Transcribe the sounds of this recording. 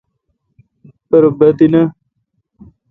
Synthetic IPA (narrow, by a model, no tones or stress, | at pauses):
pɐɾbɐt̪inɐ